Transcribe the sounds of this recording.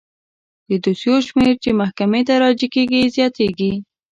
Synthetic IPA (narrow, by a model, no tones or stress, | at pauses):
d̪əd̪usjoʃmeɾt͡ʃemahkamet̪aɾɑd͡ʒikeɡizjɑt̪eɡi